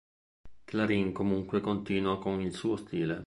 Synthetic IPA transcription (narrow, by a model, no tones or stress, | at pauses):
klaɾiŋkomuŋkwekont̪iːnwakonilsuːost̪iːle